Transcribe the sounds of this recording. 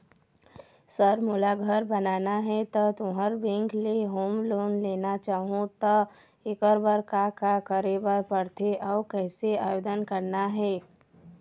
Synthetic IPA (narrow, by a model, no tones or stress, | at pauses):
səɾmʊlaɡʱəɾbənaːnaɦɛt̪ɔt̪ʊɦəɾbɛ̃ŋkleɦoːmloːnleːnat͡ʃaːɦũt̪ɔ | ɪkəɾbəɾkakakəɾebəɾpəɽt̪ʰeʔɔːkɛːseaːjoːd̪ənkəɾnaɦɛː